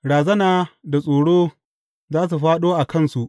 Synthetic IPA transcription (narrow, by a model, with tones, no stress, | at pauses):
ɽaː˨zɐ˦naː˨da˨sʼoː˨ɽoː˦ | zaː˦s̬u˨ɸaː˦ɗoː˦ʔa˨kɐ˦˨nsu˨ʔ